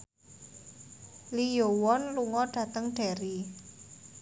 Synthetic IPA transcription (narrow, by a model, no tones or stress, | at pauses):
lijowɔnluŋɔɖ̥ä̤t̪əŋɖ̥a̤ɾi